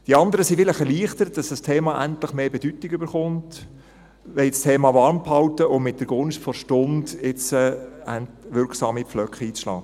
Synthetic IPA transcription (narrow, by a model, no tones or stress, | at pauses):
d̥iɑnd̪əɾəsifɪləχɛɾliːəχtəɾət̚d̥ɑsd̥ɑstʰeːmɑʔæntləχmeːbɛd̥ytɪɡybəɾχʊnt | ʋɛlstʰeːmɑːʋɑɾmphɑltəʔʊmmɪt̚d̥əɾɡ̥ʊnʃtfɔɾʃtʊndɪt͡səæntʋɪɾksɑːmipflœkχəiːt͡sʃlɑ̰ː